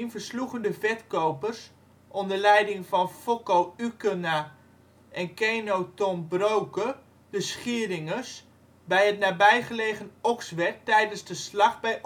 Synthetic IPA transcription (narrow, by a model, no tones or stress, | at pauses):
nvəɹsluχəndəvɛtkowpərs | ʔɔndəlɛjdɪŋvɑnfokowykəna | ʔɛnkeːnowtɔmbrowkə | dəsχiərɪŋəs | bɛjətnaːbɛjχəleːχənɔksʋɛk̚tɛjdənzdəslɑχbɛj